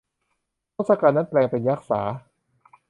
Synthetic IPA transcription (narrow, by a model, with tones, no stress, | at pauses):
o˥˩sa˧kaː˧˩nːa˦˥nplɛː˧ŋpe˨˧njaː˦˥˩k̚saː˩˦